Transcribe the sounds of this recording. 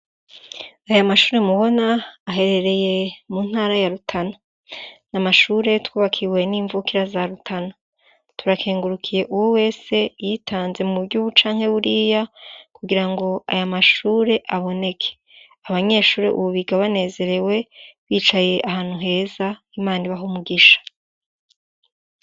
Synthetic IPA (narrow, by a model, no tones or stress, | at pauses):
ajamaʃuːɾe̞muβo̞naːɦe̞ɾe̞ɾe̞je̞munhaːɾajaɾutʰana | namaʃuːɾe̞twuːβakʰiwe̞niːɱvukiɾazaɾutʰana | tʰuɾakʰeːŋɡuɾukʰije̞ʔuwowe̞ːse̞jitʰaːnze̞mubɟuːβut͡ʃaːŋhe̞βuɾiːjakuɡiɾaŋɡo̞a̰jamaʃuːɾe̞ʔaβo̞ne̞kʰe̥ | aβaɲe̞ːʃuːɾe̞̰ʔṵβuβiɡaβane̞ːze̞ɾe̞we̞βiːt͡ʃaje̞ʔahaːn̥huɦe̞ːzaimaːniβaɦumuɡiʃḁ